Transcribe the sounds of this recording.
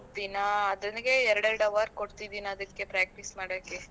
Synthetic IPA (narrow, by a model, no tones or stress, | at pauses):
d̪inaːd̪ɐnɡeɛɾɐɽɛɾɐɽɐʋɐɾkoɽt̪id̪iːnɐːd̪ɐkːe̞pɾaːk̚ʈismaːɽaːke